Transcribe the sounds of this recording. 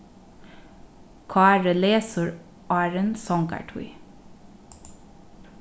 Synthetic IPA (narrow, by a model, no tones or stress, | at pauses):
kʰɑːɾəleːsəɹ | ʔɑːɹənsɔŋkæ̰ʈʰṵɪ